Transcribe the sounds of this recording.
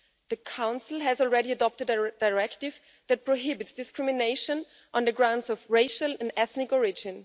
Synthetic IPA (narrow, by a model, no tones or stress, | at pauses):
ðəkʰãʊ̃nsl̩ˠɦɨzɔlˠɹɛɾiɨdɔp̚tɨddaɪɹɛktɪv | ðæt̚pʰɹ̥oɦɪbɨtsd̥ɪskɹɪmɪneɪʃə̃n | ʔɔ̃nðəɡɹãʊ̃ndzɔvɹeɪʃəlɛ̃nɛθnɪkɔɹɪd͡ʒɪ̃n